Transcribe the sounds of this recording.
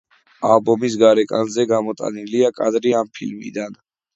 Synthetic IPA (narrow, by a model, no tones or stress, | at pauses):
albɔmis̬ɡaɾɛkʼanzɛɡamɔt̪ʼa̰niliakʼad̪ɾiampʰḭlmḭd̪an